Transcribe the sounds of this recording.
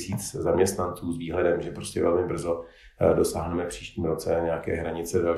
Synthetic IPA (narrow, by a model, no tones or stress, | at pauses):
siːt͡szamɲɛst̪nant͡suːzviːɦlɛdɛmʒɛpɾo̞scɛ̰vɛlmɪbr̩zo | do̞sa̰ːɦnɛmɛfpr̝̥iːʃciːmɾo̞t͡sɛɲɛakɛ̰ːɦɾaɲɪt͡sɛdal